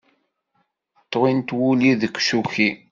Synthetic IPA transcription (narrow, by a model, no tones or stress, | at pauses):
t̪ˤːʁint̪wuliðəkʷːʃuçi